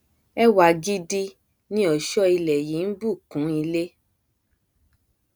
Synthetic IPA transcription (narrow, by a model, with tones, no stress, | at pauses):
ɛ˦wa˧˨ɡi˦di˦ | nĩ˦ɔ˨ʃɔ˦i˧lɛ˨ji˨˦n̩˦bu˦˨kũ˨˦i˧le˦